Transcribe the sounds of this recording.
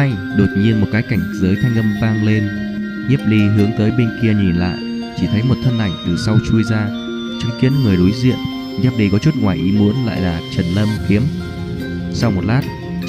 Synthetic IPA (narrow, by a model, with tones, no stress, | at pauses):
a˧j | ɗo˨˩t̚ɲi˧ənmo˨˩t̚kaː˨˦jka˧˩jŋ̟zəː˨˦jt̪ʰaː˧ŋlə˧mvaː˧ŋle˧n | ɲɛ˦˥p̚li˧ɦɨ˨˦əŋt̪əː˨˦jɓe˧nki˧əɲi˨˩nla̰ː˧˨j | t͡ɕi˧˩t̪ʰə˨˦jmo˨˩t̚t̪ʰə˧nʔa˧˩jŋ̟t̪ɨ˨˩sa˧wt͡ɕu˧jzaː˧ | t͡ɕɨ˨˦ŋki˨˦ənŋɨ˨˩əjɗo˨˦jzḭ˧˨ən | ɲɛ˦˥p̚ɗi˨˧jkɔ˨˦t͡ɕu˦˥t̚ŋwaː˨˩jʔi˨˦mu˨˦ənla̰ː˧˨jlaː˨˩t͡ɕə˨˩nlə˧mki˨˦əm | sa˧wmo˨˩t̚laː˦˥t̚